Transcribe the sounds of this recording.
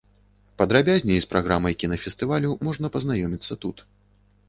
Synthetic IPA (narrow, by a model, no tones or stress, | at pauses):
pɐd̪ɾabʲazʲnʲɛjspɾʔaɣɾamɐjkʲinɐfʲɛst̪ɨvalʲumɔʐnɐpɐznajɔmʲit̪sːɐt̪ut̪